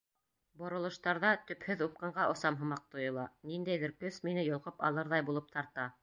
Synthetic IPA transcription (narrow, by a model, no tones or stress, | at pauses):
bŏɾɤ̆lˠɤ̆ʃt̪ɑɾðɑt̪ɵ̆phɵðup̚qɤɴɢɑʔŏsɑmɦɤ̆mɑq̚t̪ŏjɤ̆lˠɑnind̪æjðɘɾkɵsminɘjŏlˠqɤpɑ̰lˠɤɾðɑjbulˠɤp̚t̪ʰɑɾt̪ɑ